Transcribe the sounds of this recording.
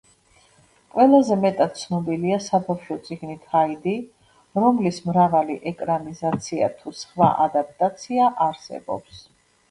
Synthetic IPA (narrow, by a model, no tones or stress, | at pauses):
qʼwɛlˠazɛmɛt̪ʼat̪̚t̪sʰnɔbiliasabafʃɔt̪sʼiɡnit̪ʰaid̪i | ɾɔmlismɾavaliʔɛkʼɾamizat̪sʰia̰t̪ʰusχva̰ʔad̪ap̚ʼt̪ʼat̪sʰiaʔaɾsɛ̰bɔ̰ps